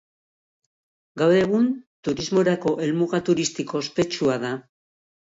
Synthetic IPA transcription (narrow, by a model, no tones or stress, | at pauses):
ɡawɾe̞ɣunt̪uɾizmo̞ɾako̞ʔe̞lmuɣat̪uɾist̪iko̞spe̞t͡ʃuaða